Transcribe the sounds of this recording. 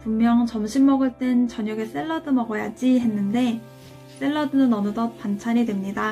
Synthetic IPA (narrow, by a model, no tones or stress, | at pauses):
puŋmjʌŋt͡ɕʌmɕʰimːʌɡɯɭt͈e̞nt͡ɕʌɲʌɡes͈e̞ɭːʌdɯnʌɡʌjad͡ʑiɦe̞nːɯnde̞ | s͈e̞ɭːʌdɯnɯnʌnɯdʌpant͡ɕʰaɾidwemɲida